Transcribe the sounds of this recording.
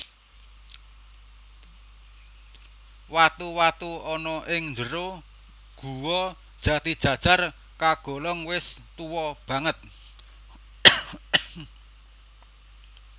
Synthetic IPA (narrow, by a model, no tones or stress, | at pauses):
wat̪uwat̪uɔnɔʔɪŋnd͡ʒəɾo | ɡ̥ṳwɔ | d̥ʒ̥ä̤t̪id̥ʒ̥ä̤d̥ʒ̥a̤r | kaɡ̥o̤lɔŋwɪst̪uwɔb̥ä̤ŋət̪̚